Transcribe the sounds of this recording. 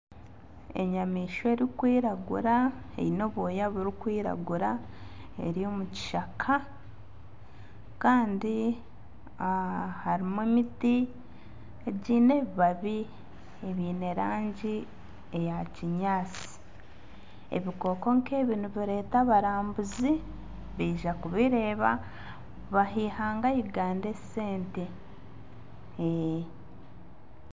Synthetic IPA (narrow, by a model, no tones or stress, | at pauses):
e̞̰ɲamiːʃoeɾikwiːɾaɡṵɾaḛino̞βojaβuɾikwiːɾa̰ɡuɾae̞̰ɾijo̞muci̥ʃakʰa | kaːndi | haɾimemiti | eɟiːne̞βiβaβi | eβiːne̞ɾaːɲɟi | ejaciɲaːt͡si̥ | ḛβiko̞ko̞ŋkʰe̞ːβiːnuβiɾe̞ːtaβaɾaːmbuzi | βiːʒakuβiɾe̞ːβa | βaɦiːhaːŋɡajiɡaːnde̞se̞ːnte | e